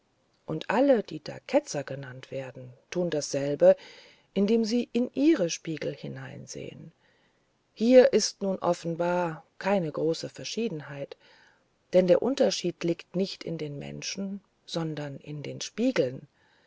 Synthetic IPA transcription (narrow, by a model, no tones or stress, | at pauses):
ʔʊntʔaləd̥iːd̥a̰ːkʰɛt͡sɐɡənantv̥eːɐdn̩tʰuːndasz̥ɛlbə | ʔɪndeːmziːʔɪnʔiːʁəʃpiːɡl̩hɪnaɪnzḛːə̰n | hiːɐʔɪstnuːnʔɔ̰fn̩baːɐkʰaɪnəɡʁoːsəfɛɐʃiːdn̩ɦaɪt | d̥ɛndeːɐʔʊntɐʃiːtliːktnɪçtɪ̰ndeːnmɛ̰nʃn̩ | z̥ɔndɐnʔɪ̰ndeːnʃpiːɡl̩n